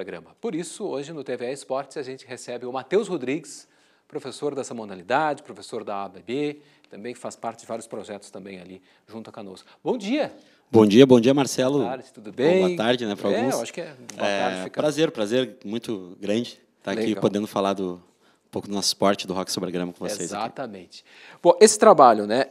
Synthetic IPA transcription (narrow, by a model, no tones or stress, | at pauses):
ɾoɡɾɐ̃mɐpoɾisʊoʒɪnʊt̪eveɛɪspɔɾt͡ʃɪsaʒẽnt͡ʃɪ̥ɦesɛbɪʊmat̪ewshod̪ɾiɡɪs | pɾofesoɾd̪ɛsɐmõd̪alid̪ad͡ʒɪpɾofesoɾd̪ɐabebe | t̪ɐ̃mbẽj̃kɪfaspaɾt͡ʃɪd͡ʒɪvaɾjʊspɾoʒɛt̪ʊ̥st̪ɐ̃mbẽj̃ali | ʒũnt̪ʊɐkano̰s | bõw̃d͡ʒiɐ | bõw̃d͡ʒiɐbõd͡ʒiɐmaɾsɛlʊaɾd͡ʒɪt̪ud̪ʊbẽbj̃ɐt̪aɾd͡ʒɪnɛpʊɾawɛɡũmsaʃʊ̥kɪɛbɛt̪aɾfipɾazeɾpɾazeɾmũj̃t̪ʊɡɾɐ̃d͡ʒɪ | t̪aalekipod̪ẽnd̪ʊfalaɾd̪ʊ | ũpowkʊd̪ʊnɔsʊ̥spɔɾt͡ʃɪd̪ʊhɔkɪ̥sobeɾɡɾɐ̃mɐkõvosezakit̪ɐmḛ̃t͡ʃɪ̥b̥õʔesɪ̥t̪ɾabaʎʊnɛ